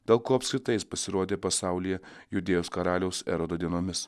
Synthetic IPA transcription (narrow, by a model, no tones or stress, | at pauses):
d̪ʲeːlˠkuːɐpʲskʲɾʲɪt̪ɐjɪspɐsʲɪɾuɔd̪ʲeːpɐsɑˑʊlʲɪjɛjʊd̪ʲeːjoːskɐɾɑːlʲɛʊsɛ̰ɾod̪od̪ʲiɛnoːmʲɪs